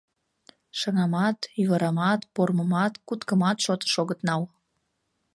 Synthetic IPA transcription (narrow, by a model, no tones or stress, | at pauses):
ʃɑŋɑmɑt̪yɣəɾɑmɑt̪porməmɑt̪kut̪kəmɑt̪ʃot̪ə̥ʃoɣət̪nɑw